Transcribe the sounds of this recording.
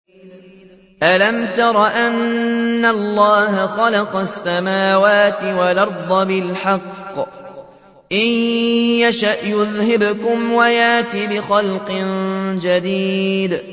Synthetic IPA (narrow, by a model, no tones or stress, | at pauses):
ʔalamt̪ɑɾˤɑʔanːalːɑːɦaxɑlɑqɑsːamaːwaːt̪ɪwalɑɾˤd̪ˤɑbɪlħɑqː | ʔɪjjaʃaʔjʊðhɪbkʊmwajaʔt̪iːbɪxɑlqɪnd͡ʒad̪iːd̪